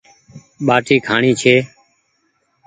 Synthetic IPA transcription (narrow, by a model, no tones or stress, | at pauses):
ɓaːʈʰiːkʰaːɳiːt͡ʃʰeː